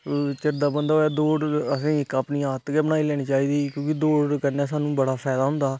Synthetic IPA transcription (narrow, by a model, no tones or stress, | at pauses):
t͡ʃɪɾd̪aːbənd̪aːɦoːɛːd̪oːɖəsĩːɪkaːpniːaːt̪kɛːbənaːiːlɛːɽ̃iːt͡ʃaːiːd̪iːkjõːkɪd̪oːɖkəɾnɛːs̬aːnũːbəɽaːpʰɛːd̪aːɦʊ̃nd̪aː